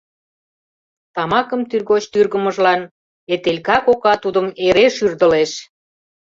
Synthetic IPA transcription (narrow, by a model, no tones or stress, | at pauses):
t̪ɑmɑkəmt̪yrɣot͡ɕt̪yrɣəməʒlɑn | et̪elʲkɑkokɑt̪ud̪əmeɾeʃyrd̪ə̆leʃ